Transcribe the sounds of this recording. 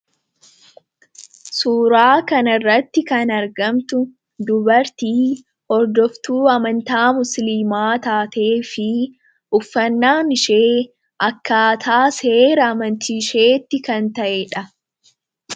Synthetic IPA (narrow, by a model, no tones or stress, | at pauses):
suːɾaːkɐnɐrːɐt̪ːɪkɐnɐɾɡɐmt̪ʊ | d̪ʊbɐɾt̪iː | hɔɾd̪ɔft̪uːɐmɐnt̪aːmʊslɪmaːt̪aːt̪eːfɪ | ʊfːɐnːaːmɪʃeː | ʔɐkːaːt̪ʰaːse̞ːɾɐːmɐnt̪ʰiʃe̞ːt̪ːɪkɐnt̪ɐʔɛᶑɐ